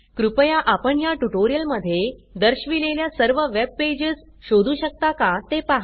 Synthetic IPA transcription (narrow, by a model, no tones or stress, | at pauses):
kɾupəjaʔapəɳjaʈuʈoɾijəlməd̪ʱːjed̪əɾɕʋileljasəɾʋəʋeb̚pːed͡ʑəs | ɕod̪ʱuːɕək̚t̪akat̪epaɦ